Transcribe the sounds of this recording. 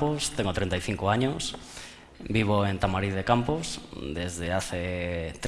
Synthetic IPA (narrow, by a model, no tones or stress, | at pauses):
post̪eŋot̪ɾẽnt̪ajθiŋkʊaɲʊs | biβ̞oent̪amaɾiððekamposd̪ezðeaθet̪ɾ